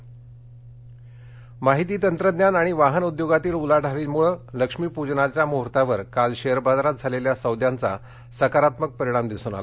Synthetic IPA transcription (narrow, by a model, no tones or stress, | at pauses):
maɦit̪iːt̪ənt̪ɾəd̪njanaɽ̃iʋaɦənud̪joɡat̪iːlulaɽ̤ʱaɾiːmuɭələkʂmiːpud͡ʑnat͡ɕjamoɦɾt̪aʋəɾkalɕeəɾbad̪ɾat̪̚d͡zʱaleljasəwd̪ʱjant͡sa̰ | səkaɾat̪mək̚pəɾiɽ̃amd̪isuːna̰la